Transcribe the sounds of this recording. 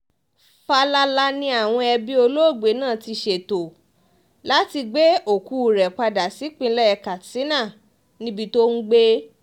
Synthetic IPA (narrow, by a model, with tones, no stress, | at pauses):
fa˧la˧la˧nĩ˧a˨w̃ɔ̃˧ɛ˧bi˦o˧lo˦o˦˨ɡ͡be˨˦nãː˦˨ti˧ʃe˨to˨ | la˨˦ti˧ɡ͡be˦o˨ku˨˧˨ɾɛ˨k͡pa˧da˨si˨˦k͡pĩ˧˦lɛ˦ɛ˧ka˨si˨˦nã˦˨ | nĩ˦bi˧to˦n̩˦ɡ͡be˦